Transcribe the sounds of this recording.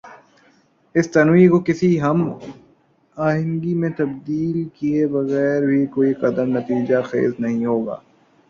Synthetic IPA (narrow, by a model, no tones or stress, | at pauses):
ɪst̪ɐnwiːkokɪsiɦɐm | aːɦɪ̃nɡimẽt̪ɐbd̪iːlkiebɐɣɛːɾbʱikoːiqɐd̪əmnɐt̪iːd͡ʒaxḛːznɐɦĩɦoːɡa̰ː